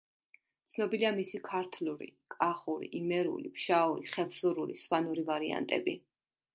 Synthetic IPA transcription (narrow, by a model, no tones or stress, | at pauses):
t̪sʰnɔbiliamisikʰaɾt̪ʰluɾḭkʼaχuɾḭʔimɛɾṵlḭpʃauɾiχɛlˠsuɾuɾiswanuɾivaɾia̰nt̪ʼɛ̰bi